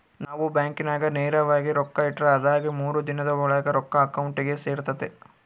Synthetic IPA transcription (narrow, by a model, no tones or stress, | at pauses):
naːʋubaːŋkinaːɡɐneːɾɐʋaːɡiɾɔkːɐiʈɾɐːd̪aːɡimuːɾud̪inɐd̪ɐɔɭɐɡɐɾɔkːɐːkɐwɳʈiɡe̞seːɾt̪ɐd̪e